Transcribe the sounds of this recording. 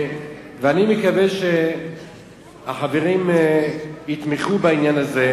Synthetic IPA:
veanimekaveʃe | aχaveʁim | it̪miχubainjanaze

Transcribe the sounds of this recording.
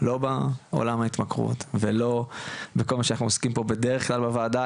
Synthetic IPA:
lo̞bao̰lamhait̪makʁṵt̪velo̞beko̞lmaʃanaχnuoskimpo̞be̞d̪eʁeχklalbavaːd̪a

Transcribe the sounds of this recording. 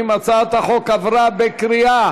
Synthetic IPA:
mat͡sat̪haχokavɾabekɾia

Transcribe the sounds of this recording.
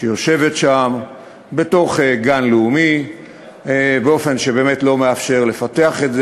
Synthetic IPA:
ʃejo̞ʃe̞vetʃam | be̞to̞χeɡanluumi | beo̞fe̞nʃebeːmetlo̞meafʃe̞ʁle̞fate̞aχetze

